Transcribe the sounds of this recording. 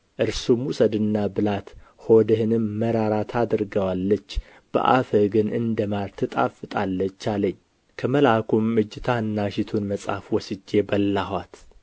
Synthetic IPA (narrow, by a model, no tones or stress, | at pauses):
ʔɨɾsumhusəd̪ɨnːabɨlat̪ho̞d̪əhɨnɨmːəɾaɾat̪ʰad̪ɨɾɡəwalːət͡ʃː | b̥ə̰ʔa̰fəɡɨnʔɨnd̪əmaɾt̪ʰɨt̪ʼa̰fɨt̪ʼalːət͡ʃːaləɲː | kʰəməlakʰumːɨd͡ʒːɪt̪ʰaɨnːaʃɪt̪ʰunməsʼa̰fwɔsɨd͡ʒːe̞bəlːaɦat̪